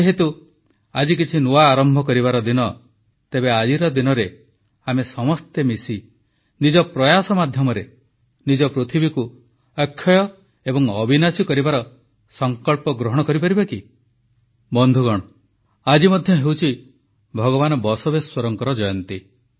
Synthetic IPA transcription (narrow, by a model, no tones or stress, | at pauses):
eɦet̪u | ad͡ʒikit͡ʃʰinuaːɾɔmbʱɔkɔɾibaɾɔd̪inɔ | t̪ebead͡ʒiɾɔd̪inɔɾe | amesɔmɔst̪emisi | nid͡ʒɔpɾɔjasɔmad̪ʱjɔmɔɾe | nid͡ʒɔpɾut̪ʰibiku | əkʰːjɔjɔ | ebɔŋɔbʱinasikɔɾibaɾɔ | sɔŋkɔɭpɔɡɾɔɦɔɽ̃ɔkɔɾipaɾibaki | bɔnd̪ʱuɡɔɽ̃ɔ | ad͡ʒimɔd̪ʱjɔɦewt͡ʃʰi | bʱɔɡɔbanɔbɔsobeswɔɾɔŋkɔɾɔd͡ʒɔjɔnt̪i